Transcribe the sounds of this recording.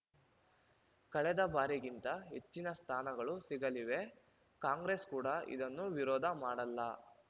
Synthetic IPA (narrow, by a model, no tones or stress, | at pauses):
kɐɭɛd̪ɐbaːɾiɡint̪ɐɦe̞t͡ʃːinɐst̪ʰaːnɐɡɐɭusiɡɐliʋe̞ | kaːŋɡɾeskuːɽɐḭd̪ɐnːuʋiɾɔːd̪ʱɐmaːɽɐlːɐ